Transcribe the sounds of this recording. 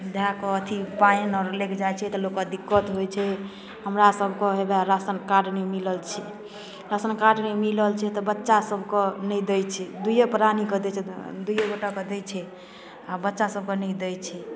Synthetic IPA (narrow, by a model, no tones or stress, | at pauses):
d̪jakɔət̪ʰipainɔɾlekʰd͡ʒajt͡ʃʰɛt̪ɔlokəd̪ikːət̪ɦojt͡ʃʰɛ | ɦəmɾasəbʱkɔɦebaɾasənkaɖnemiləlt͡ʃʰɛ | ɾasənkaɖnemiləlt͡ʃʰɛt̪ɔbətːʃasəbʱkɔnəjd̪əjt͡ʃʰɛd̪ujəpəɾanikəd̪ɛt͡ʃʰɛd̪ujeɡoʈakəd̪ɛjt͡ʃʰɛ | abətːʃasəbʱkɔnəd̪əjt͡ʃʰɛ